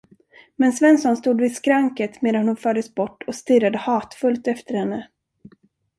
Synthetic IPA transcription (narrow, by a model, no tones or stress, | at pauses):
mɛnsvɛnsɔnst̪uːd̪vɪskɾaŋkət̪meːd̪anhʊnfœːɖəsbɔʈːɔst̪ɪrːad̪əhɑːt̪fɵlt̪ɛft̪əɾhɛnːə